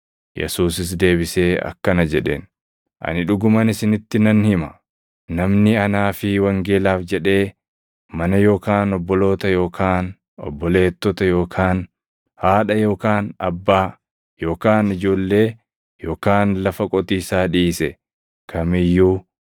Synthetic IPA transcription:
jɛ̰suːsɪs̬d̪e̞ːbɪse̞ːɐ̰kːɐnɐd͡ʒɛᶑḛːn | ʔɐ̰nɪᶑʊɡʊmɐnɪsɪnɪt̪ːɪnɐnhɪmɐ | nɐmnɪɐnaːfɪwɐŋɡe̞ːlaːfd͡ʒɛᶑe̞ː | mɐnɐjo̞ːkaːnɔbːɔlo̞ːt̪ɐjo̞ːkʰaːn | ɔ̰bːɔle̞ːt̪ːɔt̪ɐjo̞ːkʰaːn | haːᶑɐjo̞ːkaːnɐbːaː | jo̞ːkaːnɪd͡ʒo̞ːlːe̞ː | jo̞ːkaːnlɐfɐkʼɔt̪iːsaːᶑiːsɛ | kʰɐmɪjːuː

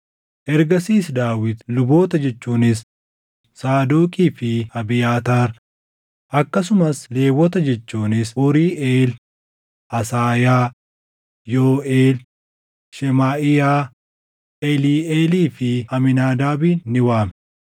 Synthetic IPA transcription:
ʔɛɾɡɐsiːsd̪aːwɪt̪lʊbo̞ːt̪ɐd͡ʒɛt͡ʃːuːnɪs | saːd̪oːkʼiːfɪɐbɪjaːt̪aːɾ | ʔɐkːɐs̬ʊmɐsle̞ːwːɔt̪ɐd͡ʒɛt͡ʃːuːnɪsʊɾiːʔeːl | ʔɐsaːjaː | joːʔeːl | ʃɛmaːʔɪjaː | ʔɛliːeːliːfɪɐmɪnaːd̪aːbiːnːɪwaːm

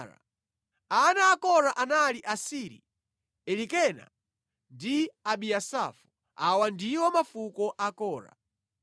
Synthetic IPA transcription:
ɾa̰ | anaːkɔɾaʔanaliʔasiɾḭ | ɛlikɛna̰ | ndiaɓiasa̰fu | awandiwɔmafukɔʔakɔːɾa̰

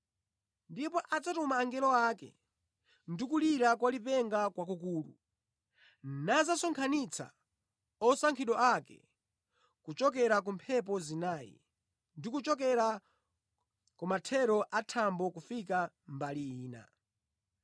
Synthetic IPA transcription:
ndipɔʔad͡zatumaːŋɡɛlɔakɛ̰ | ndikuliɾakwalipɛŋɡakwak̬ukuːlṵ | nazasɔŋkʰanit͡sʰa̰ | ɔsaŋkʰiɗɔʔakɛ̰ | kut͡ʃɔk̬ɛɾak̬umpʰɛp̬ɔzinaːjḭ | ndikut͡ʃɔk̬ɛɾa | kumatʰɛɾɔʔatʰambɔkufika | mbaliiːna̰

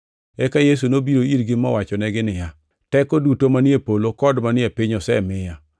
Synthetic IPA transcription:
ɛkajes̬unobiɾoiɾɡɪmɔ̰wat͡ʃɔnɛɡɪnɪja | tɛkodutomanɪepolokɔdmanɪɛpɪɲɔsɛmɪja

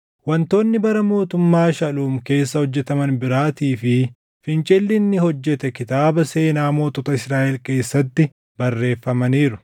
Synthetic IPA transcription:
wɐnt̪o̞ːnːɪbɐɾɐmo̞ːt̪ʊmːaːʃɐluːmke̞ːsːɐhɔd͡ʒːɛt̪ɐmɐnbɪɾaːt̪iːfɪ | fɪnt͡ʃʼɛlːɪnːɪhɔd͡ʒːɛt̪ɛkɪt̪aːbɐse̞ːnaːmo̞ːt̪ɔt̪ɐɪsɾaːʔɛlke̞ːsːɐt̪ːɪ | bɐrːe̞ːfːɐmɐniːɾʊ

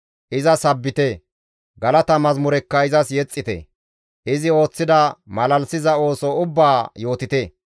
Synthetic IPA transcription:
ʔɪzɐsɐbːɪt̪ɛ | ɡɐlɐt̪ɐmɐzmʊɾɛkːɐɪzɐsjɛt͡sʼːɪt̪ɛ̰ | ʔɪzɪo̞ːt͡sːɪd̪ɐmɐlɐlsɪzɐo̞ːsɔʊbːaːjo̞ːt̪ɪt̪ɛ

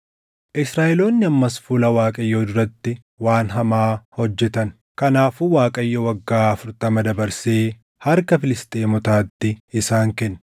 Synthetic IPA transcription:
ʔɪsɾaːʔɛlo̞ːnːɪɐmːɐsfʊlɐwaːkʼɐjːoːd̪ʊɾɐt̪ːɪ | waːnɦɐmaːhɔd͡ʒːɛt̪ɐn | kɐnaːfuwaːkʼɐjːowɐɡːaːɐfʊɾt̪ɐmɐd̪ɐbɐɾseː | hɐɾkɐfɪlɪst̪ʼeːmɔt̪aːt̪ːɪɪsaːŋkɛnː

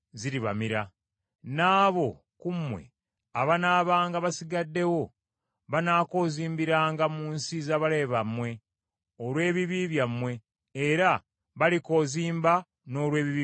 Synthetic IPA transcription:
ziɾiβa̰miɾa | naːβo̞ | kumwe̞̰ | aβanaːβaːŋɡaβasiɡadːe̞wo̞ | βanaːko̞ːziːmbiɾaːŋɡamuːnsizaβale̞βamwe̞ | olwe̞ːβiβiβjamwe̞ː | ɾa | βaliko̞ːziːmba | no̞ːlwe̞ːβiβi

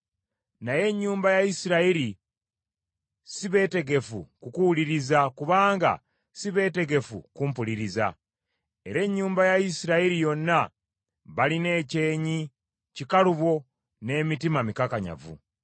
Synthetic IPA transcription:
naje̞ɲːuːmbajaisiɾaiɾi | siβe̞ːte̞ɡe̞fṵkukuwuliɾizakuβaːŋɡa̰ | siβe̞ːte̞ɡe̞fṵkumpuliɾiza̰ | e̞ɾe̞ɲːuːmbajaisiɾaiɾijo̞nːa | βaline̞ːce̞ːɲi | cikaluβo̞ | ne̞ːmitimamikakaɲa̰vṵ

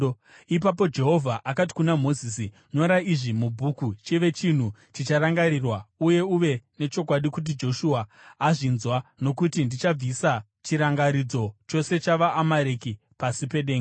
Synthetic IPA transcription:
ip̬apo̞d͡ʒe̞ɦo̞vʱaʔakat̬i̥kunamo̞ziːsi | no̞ɾaiʐimubʱukut͡ʃiʋe̞t͡ʃin̤ut͡ʃit͡ʃaɾaŋɡaɾirwauje̞uʋe̞ne̞t͡ʃo̞kwaɗikut̬id͡ʒo̞ʃuaːʐinzwano̞kutindit͡ʃab͡visa | t͡ʃiɾaŋɡaɾid͡zo̞t͡ʃo̞se̞t͡ʃaʋaʔːmaɾeki | pasipe̞ɗe̞ːŋɡe

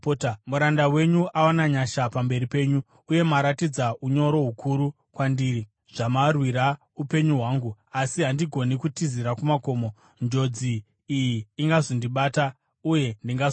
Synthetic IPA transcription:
potamuɾandawe̞ɲuʔawanaɲaʃapambe̞ɾipe̞ːɲu | uje̞maɾatid͡zaʔuɲo̞ɾo̞ɦukʰuɾu | kwandiːri | ʐ̥amarwiɾa | upe̞ɲuɦwaːŋɡuasiɦandiɡʱo̞nikutiziɾakumako̞ːmo | nd͡ʒo̞d͡ziː | jiːŋɡazondiɓaːta | uje̞ndiŋɡa

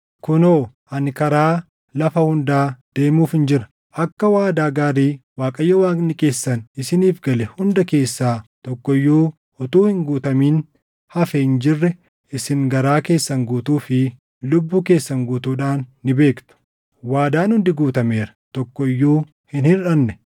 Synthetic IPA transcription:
kʊnoː | ʔɐnkɐɾaː | lɐfɐhʊnd̪aːd̪̥e̞ːmuːfɪnd͡ʒɪɾɐ̥ | ʔɐkːɐwaːd̪aːɡaːɾiːwaːkʼɐjːɔwaːnɪkʼe̞ːsːɐnɪsɪniːfɡɐlɛhʊnd̪ɐke̞ːsːaːt̪ɔkːɔjːuː | ɔt̪uːhɪŋɡuːt̪ɐmiːn | hɐfɛhɪnd͡ʒɪrːɛ | ɪsɪŋɡɐɾaːke̞ːsːɐŋɡuːt̪uːfɪ | lʊbːuːke̞ːsːɐŋɡuːt̪uːᶑaːnːɪbe̞ːkt̪ʊ̥ | waːd̪aːnhʊnd̪ɪɡuːt̪ɐme̞ːɾɐ̥t̪ɔkːɔɪjːuː | hɪnhɪnᶑɐnːɛ

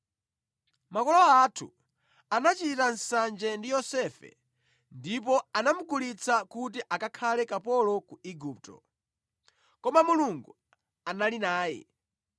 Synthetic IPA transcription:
makɔlɔatʰṵ | anat͡ʃitan̩sand͡ʒɛndijɔsɛfɛ̰ | ndip̬ɔanamuɡulit͡sʰakut̬iʔakakʰalɛkapɔlɔkuiɡup̚tɔ̰ | kɔmamuluŋɡu | analinaːjɛ̰

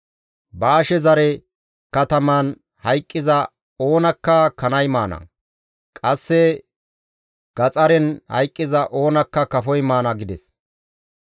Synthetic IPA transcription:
baːʃɛzɐɾɛ | kɐt̪ɐmɐn | hɐjkʼːɪzɐ | o̞ːnɐkːɐkɐnɐjmaːnɐ̰ | kʼɐsːɛ | ɡ̥ɐt͡sʼɐɾɛnhɐ̰jkʼːɪzɐʔo̞ːnɐkːɐkɐfɔjmaːnɐɡɪd̪ɛs

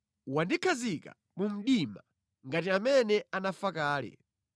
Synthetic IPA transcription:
wandikʰazika̰ | mum̩ɗima | ŋɡatiamɛnɛanafakaːlɛ̰

